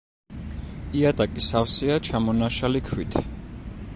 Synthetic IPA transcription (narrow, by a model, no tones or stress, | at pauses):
iat̪ʼakʼisafsiat͡ʃʰamɔnaʃalikʰwit̪ʰ